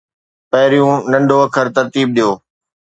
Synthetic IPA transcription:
pɐɦɪɾijũːnɐ̃ɳɖʱoɐkʰəɾt̪ɐɾt̪iːb̚ɗijoː

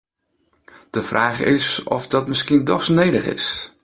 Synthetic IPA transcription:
d̥əv̥raːχɪsɔ̰fdɔtmɪskindɔxsnejdəχɪ̰s

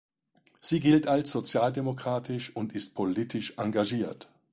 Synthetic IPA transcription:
z̥iːɡɪltalsz̥ot͡sjaːldemokʁ̥aːtʰɪʃʊntɪst̚pʰoliːtʰɪʃʔaŋɡaʒiːɐt

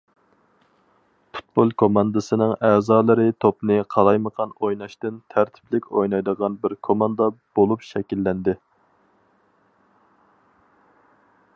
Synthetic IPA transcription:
pʰu̥t̪̚bolˠkʰomɑnd̪ɨsɨnɨŋæːzɑːlˠɨɾɨt̪ʰopnɨqʰɑlˠɑjməqʰɑnojnɑʃt̪ɨnt̪ʰæɾt̪ʰɪ̥plɪkʲʰojnɑjd̪əʁɑnbɪɾkʰomɑnd̪ɑb̥olˠupʃɛkʲilːɛnd̪ɪ

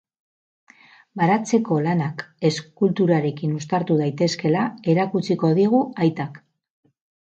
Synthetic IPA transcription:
baɾat͡se̞ko̞lanake̞skult̪uɾaɾe̞kinust̪aɾt̪uðajt̪e̞ske̞lae̞ɾakut͡siko̞ðiɣ̞uajt̪ak

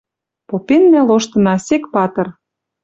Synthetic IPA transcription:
popenmæloʃt̪ɤ̆nɑsekpɑt̪ɤ̆r

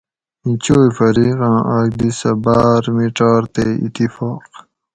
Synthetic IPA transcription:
ĩt͡ɕoːjfɐɾiːqɑ̃ːʔaːɡb̪isɐbaːɾmiʈaːɾt̪eːḭt̪ifaːq

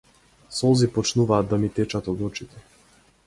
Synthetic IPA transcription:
sɔzipɔt͡ʃnuvaːd̪ːamit̪ɛt͡ʃat̪ɔd̪ɔt͡ʃit̪ɛ

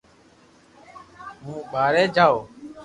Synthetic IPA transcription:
mũːɓaːɾeːd͡ʒʱaːoː

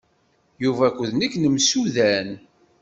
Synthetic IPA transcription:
juvækʷːəðnəkːnəmsuðæn

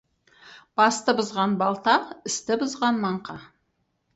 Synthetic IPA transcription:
b̥ɑst̪əbʊzʁɑnbɑlˠt̪ɑqɪst̪ɪbʊzʁɑnmɑɴqɑ

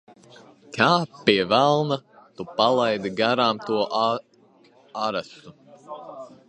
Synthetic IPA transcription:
kʰaːpiɛvælˠnat̪upalˠajd̪iɡaɾaːmt̪uɔʔ | aɾasu

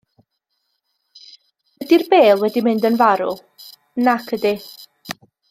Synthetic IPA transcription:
ədirbeːlˠwɛdimɪndənvaɾʊ̰lˠ | nakʰədi

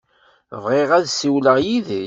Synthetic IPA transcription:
vʁeʁæðsiwləʁjið

